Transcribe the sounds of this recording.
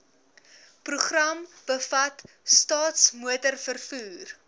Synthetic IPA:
pruχrɐmb̥əfɐt | stɑːtsmuətərfərfuːr

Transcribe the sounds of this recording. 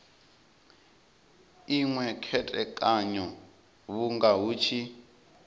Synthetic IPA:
iŋwɛkʰɛtʼɛkʼaɲɔ | βuŋɡaɦuːt͡ʃʰi

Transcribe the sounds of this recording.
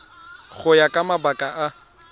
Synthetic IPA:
ɣʊjakʼamabakʼaʔa

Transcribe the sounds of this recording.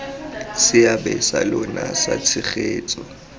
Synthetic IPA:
sɪabɛsa̰lɔnasa̰t͡sʰɪχeːt͡sʼɔ

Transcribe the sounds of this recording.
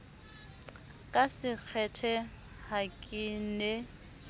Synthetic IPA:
kʼasɪk͡xʰɛtʰɛ | hakʼɪnɛ

